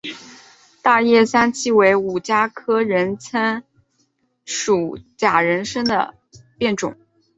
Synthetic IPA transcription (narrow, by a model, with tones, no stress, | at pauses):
t̪a˥˧jɛ˥˩sa˥nt͡ɕʰi˥˩we˧˥ɪu˨˩t͡ɕja˥kʰɤ˥ɻə˧˥nt͡sʰə˥n | ʂu˨˩t͡ɕja˨˩ɻə˧˥nʂə˥ŋd̪ə̰˨ | pjɛ˥˩nʈ͡ʂʊ̰˨˩˦ŋ